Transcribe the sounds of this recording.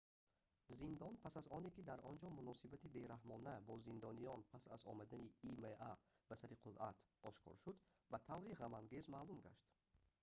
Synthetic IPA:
zind̪ɔnpʰasazɔnekid̪aɾɔnd͡ʒɔmunɔsibat̪ibe̞ɾahmɔnæbɔzind̪ɔnijɔnpʰasa̰zɔ̰mad̪æniːmeabasaɾiqʰulʔat̪ʰɔʃkʰɔ̰ɾʃud̪ | bæt̪ʰavɾiʁamaŋɡe̞zmaːlumɡa̰ʃt̪

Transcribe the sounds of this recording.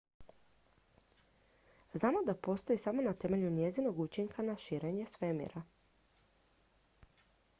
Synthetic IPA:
znaːmo̞d̪apo̞st̪o̞isamo̞nat̪e̞me̞ʎunje̞zino̞ɡut͡ʃiŋkʰanaʃiːɾe̞ɲesʋemḭɾa

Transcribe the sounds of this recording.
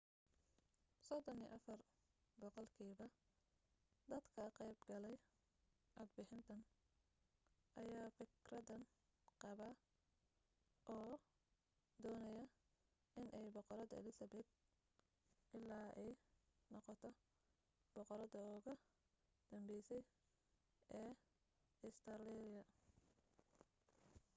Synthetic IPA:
sɔd̪ɔnḭːʔɐfɐr | bɔqɔlkʰiːβɐ | d̪ɐd̪kʰɐqɛjbɡɐlɛj | ʔɑd̪̚bɪħɪnt̪ʰɐn | ʔɐjaːfɪkrɐðɐn | qɑβa | ʔɔː | d̪ɔːnɐjɐ | ʔɪnʔɛjbɔqɔɾɐðɐɪ̰lɪsɐbɛd̪̚ | ʔɪlːaːʔɛjnɔqɔt̪ʰɔ | b̥ɔqɔɾɐðɐɔːɣɐ | d̪̥ɐmbɛjsɛj | ʔɛː | ɪst̪ʰɐrlɛɾɪjɐ

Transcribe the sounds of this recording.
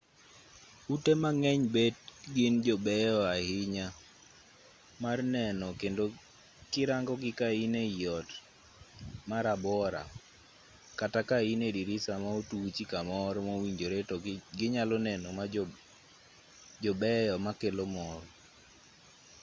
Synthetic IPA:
utemaŋɛɲbet̚ɡɪnd͡ʒɔbɛjɔahɪɲa | marnɛnɔkendo | kɪɾaŋɡɔɡɪkainejɔt | maɾabɔɾa̰ | katakainediɾɪsamaotut͡ʃikamɔɾmawiɲd͡ʒoɾetɔɡɪɲalɔnɛnɔma | d͡ʒɔbɛjɔmakelomɔr

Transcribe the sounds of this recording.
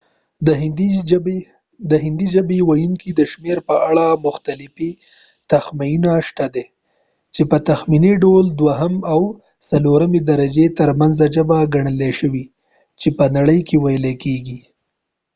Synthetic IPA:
d̪əɦɪnd̪id͡ʒabewajuŋkid̪əʃmeɾpəʔaɽamʊxt̪alɪfi | t̪axmajinaʃt̪ad̪e | t͡ʃepət̪axminiɖold̪waɦamaw | saloɾamed̪aɾad͡ʒet̪əɾmanzaʒəbaɡaɳəleʃəwi | t͡ʃepənaɽəjkewajlekeɡi

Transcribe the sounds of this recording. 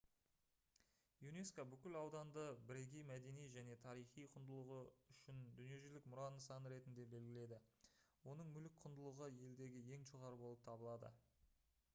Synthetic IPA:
june̞skabʏkʲɪlɑwd̪ɑnd̪əbɪɾeɡʲijmæd̪e̞nijʒæne̞t̪ʰɑɾijχijqʰʊnd̪əlˠəʁəʏʃɪnd̪ʏnije̞ʒʏlɪkmʊɾɑnəsɑnɾe̞t̪ɪnd̪e̞be̞lɡʲɪle̞d̪ɪwo̞nəɴmʏlɪk̚qʰʊnd̪əlˠəʁəje̞ld̪e̞ɡʲɪje̞ŋʒoʁɑɾəbo̞lˠəp̚t̪ʰɑbəlˠɑd̪ə̰

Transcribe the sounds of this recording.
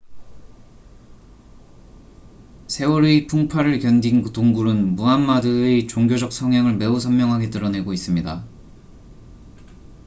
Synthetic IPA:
sʰe̞uɾipʰuŋpʰaɾɯɭkjʌndintoŋɡuɾɯnmuɦanmadɯet͡ɕoŋɡʲjod͡ʑʌk̚sʰʌŋɦjaŋɯɭme̞usʰʌmmjʌŋɦaɡe̞t͈ɯɾʌne̞ɡois͈ɯmɲida

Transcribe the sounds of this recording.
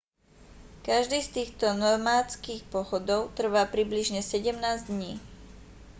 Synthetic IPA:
kaʒd̪iːst̪iːxt̪ɔnɔɾmaːt͡skiːxpɔɦɔd̪ɔʊt̪r̩ʋaːpɾibliʒɲɛsɛɟɛmnaːzd̪ɲiː

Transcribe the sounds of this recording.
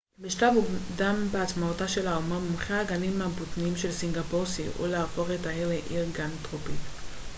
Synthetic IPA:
miʃlavudambeat͡smaotaʃe̞laumamumχeaɡalimːabotniimʃe̞lsiŋɡapoʁsiʔṵleafo̞χetaiʁleʔiʁɡantʁopit

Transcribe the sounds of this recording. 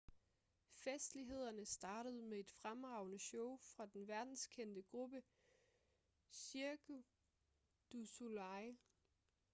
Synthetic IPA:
fesd̥liɦe̝ð̞̰ˠɐnəsd̥ɑ̈ːɾ̥əð̞̩ˠmee̝d̥fʁamʁɑ̈ʊnəɕɔʊfʁɑ̈d̥enʋæɐd̥n̩skʰen̰d̥əɡ̥ʁub̥ə | siɐɡ̥u | d̥usulɑɪ

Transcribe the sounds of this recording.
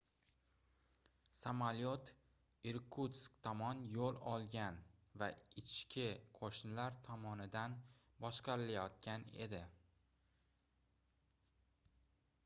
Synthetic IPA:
samalot̪ | ɪɾkʰut̪skt̪ʰɒmɒnjolˠɒlˠɡʲanvaɪt͡ʃʰɪ̥ʃkʲʰɪqʰoʃnɪlaɾt̪ʰɒmɒnɪd̪an | bɒʃqɑɾɪlajɒt̪̚kʲane̞̰d̪ɪ

